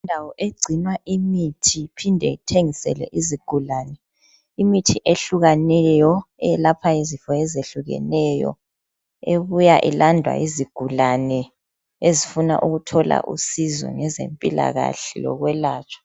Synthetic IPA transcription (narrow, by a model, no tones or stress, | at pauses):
indʱawɔʔeɡ͡ǀʱinwaʔimitʰipʰindʱɛtʰeŋisɛ̰lɛ̰ʔiziɡ̥ʱulanɛ | imitʰiʔeɬuɣanɛjɔɛlapʰaizifɔɛzeɬuɣɛ̰nɛjɔ̰ | eβujaʔilandʱwa̰iziɡ̥ʱulanɛ | ezifuna̰ʔuɣutʰɔla̰ʔusizɔ̰ŋɛzḛmpʼila̰ɣa̰ɬɛlɔ̰ɣwɛlaːt͡ʃʰʼḁ